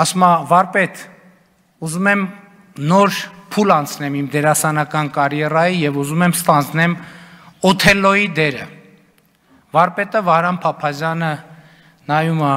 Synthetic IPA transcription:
ɑsumɑvɑɾpɛt̪ | uzumɛm | nɔɾpʰulɑnt͡sʰnɛmimd̪ɛɾɑsɑnɑkɑnkɑɾjɛrɑjijɛvuzumɛmst̪ɑnd͡znɛm | ɔt̪ʰɛlːɔjid̪ɛɾə | vɑɾpɛt̪əvɑhɾɑmpʰɑpʰɑzjɑnə | nɑjumɑ

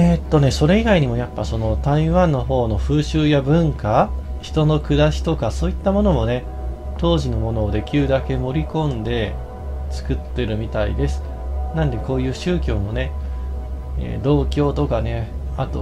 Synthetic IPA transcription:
et̪ːo̞ne̞so̞ɾe̞iɡaiɲ̟imo̞japːaso̞no̞t̪aiβãnːo̞ɦo̞ːno̞ɸɯ̟ːɕɨːjabɯ̟̃ŋkaçi̥t̪o̞no̞kɯ̟d̪aɕi̥t̪o̞kaso̞ːit̪ːamo̞no̞mo̞ne̞ | t̪o̞ːʑino̞mo̞no̞ːd̪e̞kʲɨːd̪ake̞mo̞ɾʲikõ̞nd̪e̞ | t͡sɨ̥kɯ̟t̪ːe̞ɾɯ̟mʲit̪aḭd̪e̞sɨ̥ | nãnd̪e̞ko̞ːjɯ̟ːɕɨːkʲo̞ːmo̞ne̞ | ḛːd̪o̞ːkʲo̞ːt̪o̞kane̞ | at̪o̞̰

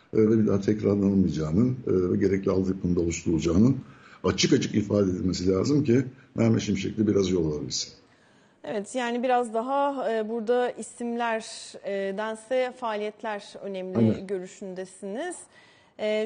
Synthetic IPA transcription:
vɛbid̪aːt̪ʰɛcɾaɾlˠanɯmɯjad͡ʒaːnɯnːvɛɟe̞ɾɛclʲialˠd̪ɯjpʰɯnd̪aolˠuʃlˠulˠd͡ʒaːnɯnat͡ʃʰɯkat͡ʃʰɯ̥kifaːd̪ed̪ilʲme̞silʲaːzɯmcimæɾmeʃimiʃecʰild̪ɛbiɾazjo̞lˠaabilʲsɯ̥n | evɛt̪ʰjaːnibiɾazd̪aɦaːbuɾd̪aisimlʲæɾ | d̪ænsɛfaːlʲijɛt̪lʲæɾø̞̰nɛmlʲɟø̞ɾyʃynd̪esiniz̥ | ɛː

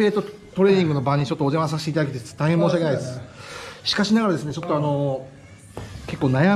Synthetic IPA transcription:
eːt̪ːo̞ | t̪o̞ɾe̞ːɲ̟ĩŋɡɯ̟no̞bãɲ̟ːit͡ɕo̞t̪ːoːʑeβãs̬aɕi̥t̪eit̪ad̪aket̪eɨ̥t̪ːaɡemoːɕiakeaid̪essɨ̥ɕi̥kaɕinaɡaɾad̪e̞sɨne̞t͡ɕo̞t̪ːoano̞ | ke̞kːo̞ːnaja

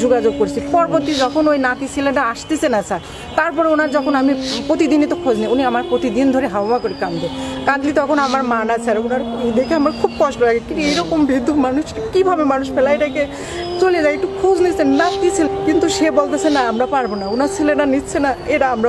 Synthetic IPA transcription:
d͡ʑoɡad͡ʑoɡ̚koɾit͡ɕʰipɔɾboɾt̪id͡ʑɔkʰonojnat̪isʰileɖaaʃt̪esʰenasaɾ | t̪aɾpɔɾeonaɾd͡ʑɔkʰonamipɾot̪id̪inet̪okʰod͡ʑniuniamaɾpɾot̪id̪ind̪ʱoɾeɦawmakoɾikand̪ekãd̪lit̪ɔkʰonamaɾmanasʰaɾeunaɾd̪ekʰeamɾakʰubkɔʃʈolaɡekint̪uejɾɔkombʱid̪umanuʃkibʱabemanuʃfelajʈake | t͡ɕolied͡ʑajek̚ʈukʰod͡ʑnisʰenat̪isʰilekint̪uʃebolt̪esʰenaamɾapaɾbonaunaɾsileɖanitːt͡ɕʰenaeʈaamɾa

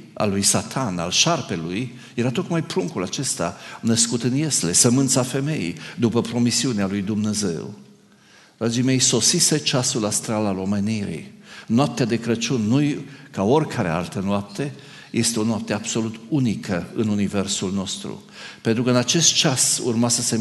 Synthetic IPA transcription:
a̰lujsat̪ʰana̰lʃarpe̞luj | je̞ɾat̪o̞kmajpɾuŋkulat͡ʃe̞st̪a̰nəskut̪ɨnje̞sle̞səmɨnt̪safe̞me̞ḭjd̪upəpɾo̞misiunealujd̪umne̞ze̞̰w | d̪̥ɾad͡ʒime̞jso̞sise̞t͡ʃasulast̪ɾalalo̞me̞niɾḭnoap̚t̪ead̪e̞kɾət͡ʃunːujkao̞rʲkʰaɾea̰lt̪ənoap̚t̪e̞ | je̞st̪eo̞noap̚t̪eab̥so̞lut̪unikʰəɨnunive̞rsulno̞st̪ɾṵ | pent̪ɾukəɨnat͡ʃe̞st̪̚t͡ʃasṵrmasəse̞

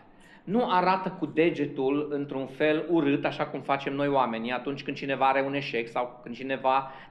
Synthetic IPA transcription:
nuʔaɾat̪əkud̪e̞d͡ʒe̞t̪ulɨnt̪ɾunfe̞luɾɨt̪aʃakumfat͡ʃe̞mno̞joame̞niat̪unt͡ʃʲkɨnd̪t͡ʃine̞vaaɾe̞une̞ʃe̞ksawkɨnd̪̚t͡ʃine̞va

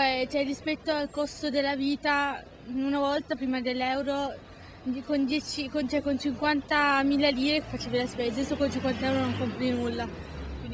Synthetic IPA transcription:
pɛt͡ʃɛrːispɛt̪ːoalkost̪od̪elːaviːt̪a | unavɔlt̪apɾiːmad̪elːɛwɾo | kond̪jɛt͡ʃikont͡ʃɛkont͡ʃiŋkwant̪amilːaliːɾeke̥fːat͡ʃeːvilaspeːzesokont͡ʃiŋkwant̪aɛwɾonoŋkompɾinulːa | kwi

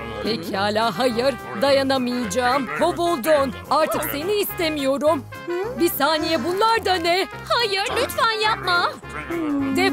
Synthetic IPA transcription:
pʰecʰihaːlʲaːɦajɯɾ | d̪ajanamɯjɯd͡ʒaːmhovolˠd̪onaɾt̪ʰɯkse̞niːst̪e̞mijo̞ɾum | bisaːnijɛbunlˠaɾd̪anɛ | hajɯɾlʲyt̪fænjap̚ma | d̪e

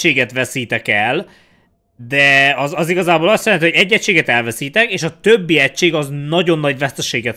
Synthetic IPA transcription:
eːɡɛt̪ʋɛsiːt̪ɛkɛl | d̪ɛɒzɒziɡɒzaːboːlɒst̪jɛlɛnihoɟɛɟːɛt͡ʃːeːɡɛt̪ɛlvɛsiːt̪ɛkeːʃɒt̪øbːiɛcːʃeːɡɒznɒɟo̞nːɒɟvɛst̪ɛʃeːɡɛt̪

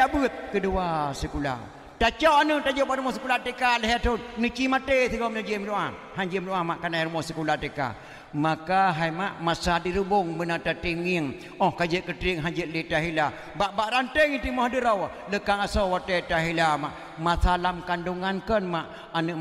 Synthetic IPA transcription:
abɨt̪̚kəduasəkula̰ | tat͡ʃɔanəʔtad͡ʒɔʔbaʔɾumɔsəkulatekaləɦɛat̪onnət͡ʃimat̪ət̪əɡɔmnəd͡ʒəmloʔa | ɦaɲd͡ʒimluʔamaʔkanajɾumɔsəkulatəka̰ | makaɦajmaʔmasadiɾubʊŋbənatatiŋiŋ | ɔhkad͡ʒəʔkət̪ɾiŋɦad͡ʒəʔ̚litaɦila | baʔbaʔɾantəŋit̪imɔhdəɾɔwa | ləkaŋasɔwat̪ɛtaɦilamaʔ | masalamkanduŋankənmaʔ | anəʔ

